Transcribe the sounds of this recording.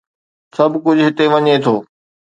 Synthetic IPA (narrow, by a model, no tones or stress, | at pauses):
sɐbkʊd͡ʑʱʊɦɪt̪eʋɐɲet̪ʰoː